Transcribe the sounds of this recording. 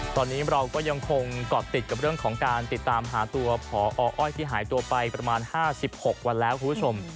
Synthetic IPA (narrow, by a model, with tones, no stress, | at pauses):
t̪ɔː˧nːiː˦˥ɾa˧wkɔː˥˩ja˧ŋkʰo˧ŋkɔː˨˩t̪ːi˨˩ka˨˩p̚ɾɯ˥˩əŋkʰɔː˩˦ŋkaː˧nt̪i˨˩t̪ːaː˧mɦaː˩˦t̪u˧ɐpʰɔː˩˦ʔɔː˧ʔɔː˥˩jt̪ʰiː˥˩ɦaː˩˦jt̪u˧ɐpa˧jpɾa˧maː˧nhaː˥˩si˨˩p̚ho˨˩k̚wa˧nlɛː˦˥wkʰu˧npʰu˥t͡ɕʰo˧m